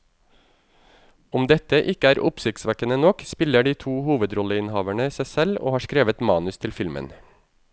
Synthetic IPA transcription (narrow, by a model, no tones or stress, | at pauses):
ʊmd̪ɛt̪əʔɪkəæːɾʔʊ̰psɪk̚t̪sʋækənənɔkspɪləɖiːt̪ʰuːhuːʋəd̪ɾɔləɪnhɑːʋæɳəisæɪsɛlo̰ːhɑːʃkɾeːʋət̪mɑːnʉst̪ʰɪlfɪlmə̰n